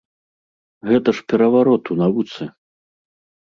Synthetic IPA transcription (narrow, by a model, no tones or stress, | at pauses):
ɣɛt̪ɐʂpʲɛɾɐvaɾɔt̪unavut̪sɨ